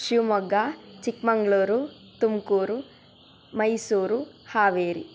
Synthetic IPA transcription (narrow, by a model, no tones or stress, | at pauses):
ʃumɔɡːat͡ʃikmɐŋɡɭuːɾu | t̪umkuːɾu | mɐjsuːɾuhaːʋeːɾi